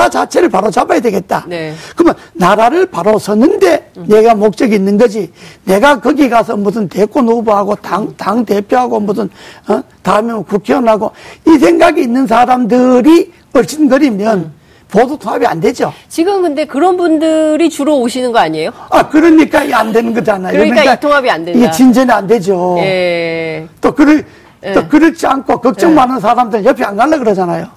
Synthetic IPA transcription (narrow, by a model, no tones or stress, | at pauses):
at͡ɕat͡ɕʰe̞ɾɯɭpaɾot͡ɕabajadwe̞ɡe̞t̚t͈a̰nekɯmʌnnaɾaɾɯɭpaɾosʰʌnːɯnde̞ne̞ɡamok̚t͡ɕ͈ʌɡiːnːɯnɡʌd͡ʑine̞ɡakɯɡiɡas̬ʰʌmusʰɯnte̞k͈onobuɦaɡotaŋtaŋte̞pʰjoɦaɡomusɯn | taɯmjʌnkukʰjʌŋaɡoisʰe̞ŋɡaɡiːnːɯns̬ʰaɾamdɯɾi | ʌɭɕʰinɡʌɾimjʌn | podotʰoŋɦabia̰nde̞d͡ʑot͡ɕiɡɯmkɯnde̞kɯɾʌnbundɯɾit͡ɕuɾooɕʰinɯnɡʌaɲiejoakɯɾɯɲik͈aiande̞nɯnɡʌd͡ʑanajokɲkat̪ʰoŋabiandeiɡet͡ɕind͡ʑʌniande̞d͡ʑoe | t͈okɯɾɯ | okɯɾʌt͡ɕʰiankʰokʌk̚t͡ɕ͈ʌŋmanɯnsʰaɾamdɯɾɯnjʌɭpʰianɡaɭːakɯɾʌd͡ʑanajo